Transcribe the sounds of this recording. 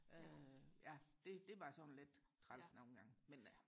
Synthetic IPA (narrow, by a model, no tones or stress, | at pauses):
øjæd̥e̝d̥e̝ʋɑ̈sɒnled̥t͡sʰʁɑlsnon̩ɡ̥ɑ̈ŋ̰men